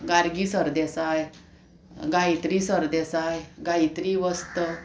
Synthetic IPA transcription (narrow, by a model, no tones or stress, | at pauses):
ɡaɾɡisəɾd̪esaj | ɡajt̪ɾiːsəɾd̪esajɡajt̪ɾiːʋəst̪ə